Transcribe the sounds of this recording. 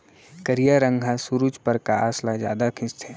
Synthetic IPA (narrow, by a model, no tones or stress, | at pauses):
kəɾijaɾə̃ŋɡʱasuɾud͡ʒpəɾkaaːslad͡ʒja̰ːd̪akʰɪ̃st̪ʰe